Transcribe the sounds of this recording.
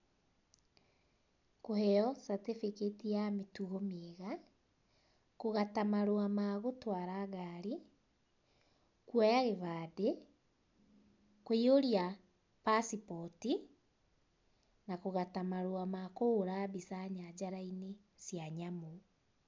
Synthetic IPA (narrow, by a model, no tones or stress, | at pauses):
kohɛɔsatefeketijametuɣomeɣa | koɣatamaɾowamaɣotwaɾaːɣaɾi | kwɔjaɣeβaːde | koioɾia | pasipɔti | nakoɣatamaɾoamakoːɾabisaɲad͡ʑaɾaine | sjaɲamo